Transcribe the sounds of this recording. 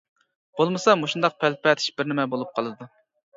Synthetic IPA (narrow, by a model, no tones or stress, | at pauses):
b̥olˠmɨsɑmoʃund̪ɑq̚pʰælpɛt̪ʰi̥ʃbɪɾnɪmɛbolˠup̚qʰɑlˠɨd̪u